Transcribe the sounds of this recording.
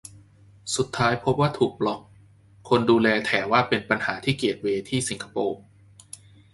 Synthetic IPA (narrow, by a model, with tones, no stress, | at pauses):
su˨˩t̪ʰːaː˦˥jpʰo˦˥p̚waː˥˩t̪ʰuː˨˩k̚lɔ˨˩k̚ | kʰo˧nduː˧lɛː˧t̪ʰɛː˩˦waː˥˩pe˧npa˧nhaː˩˦t̪ʰiː˥˩ki˨˩ət̪̚weː˧t̪ʰiː˥˩si˩˦kʰa˧poː˧